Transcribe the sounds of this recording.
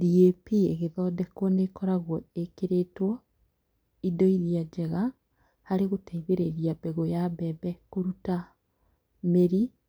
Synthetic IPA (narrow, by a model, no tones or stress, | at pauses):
diepieɣeðɔdɛkwɔnekɔɾaɣwɔekeɾetwɔ | idɔiɾiad͡ʒɛɣa | haɾeɣotaiβeɾeɾiabɛɣojabɛbɛkoɾuta | meɾi